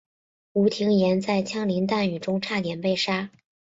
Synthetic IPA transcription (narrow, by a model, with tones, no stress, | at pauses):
u˧˥t̪ʰi˧˥ŋjɛ˧˥nt͡sa˥˩ɪt͡ɕʰjɑ˥ŋli˧˥ŋt̪a˥˩ny˨˩ʈ͡ʂʊ˥ŋʈ͡ʂʰa˥˩t̪jɛ˨˩npe˥˩ɪʂa˥